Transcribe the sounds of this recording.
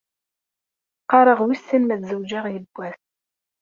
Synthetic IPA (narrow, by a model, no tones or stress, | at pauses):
qɑɾˤəʁwisːinmæθzəwd͡ʒæʁjəbʷːæθ